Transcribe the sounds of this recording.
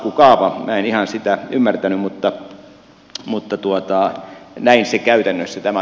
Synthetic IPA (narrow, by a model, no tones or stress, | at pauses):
kukɑːʋɑmʔæːenihɑnsit̪æymːært̪ænymmut̪ːɑ | mut̪ːɑt̪uot̪ɑnæinsekæyt̪ænːøsːæt̪æmæ